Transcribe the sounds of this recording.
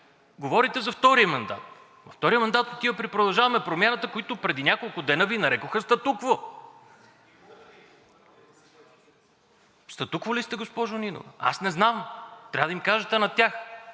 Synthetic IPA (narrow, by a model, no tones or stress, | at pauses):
ɡovɔɾit̪ɛzɐft̪ɔɾijəmɐnd̪a̰t̪ | vɐft̪ɔɾijəmɐnd̪at̪ot̪iəpɾipɾod̪ɐlˠʒavɐmɛpɾomʲjanət̪əkoit̪ʊpɾɛd̪inʲjakolˠkʊd̪ɛnəvinɐɾɛkoxəst̪ɐt̪ukvo | st̪ɐt̪ukvolist̪ɛɡospɔʒʊnino̰vɛa̰snɛznamt̪ɾʲavəd̪imkaʒɛt̪ɛnɐt̪ʲax